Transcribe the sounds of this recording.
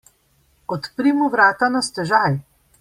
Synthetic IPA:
ɔt̪pɾimuʋɾaːt̪anast̪ɛʒaj

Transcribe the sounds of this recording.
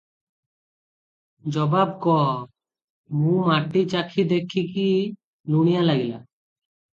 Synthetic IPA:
d͡ʒɔbab̚kɔ | mũmaʈit͡ʃakʰid̪ekʰiki | luɽ̃ijalaɡila̰

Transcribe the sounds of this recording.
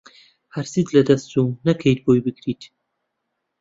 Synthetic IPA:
haɾsit̪lɐd̪ɐst̪unɐkʰejt̪̚bojbɨɡɾiːt̪ʰ

